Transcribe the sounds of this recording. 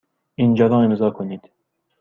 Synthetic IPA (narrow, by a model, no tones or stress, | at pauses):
ind͡ʒɑd̪ɑ̃ːemzɑːkʰoniːd̪̥